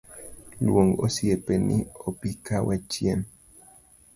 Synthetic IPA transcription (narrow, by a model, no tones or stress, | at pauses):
lṵwoŋɡo̰siepenḭopikawet͡ʃien